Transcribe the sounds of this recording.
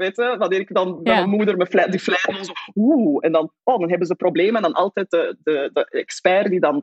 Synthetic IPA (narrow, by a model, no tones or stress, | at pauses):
ʋeːtəʋanɪːɾɪkdɑnmɛmənmudərmɛflɛdiflɛɾɔnzouɛndɑnʔoːdɑnɦɛbənzəprobleːməɛndɑnʔɑ̰lˠtɛːt̚dədədəɛkspɛrdidɑn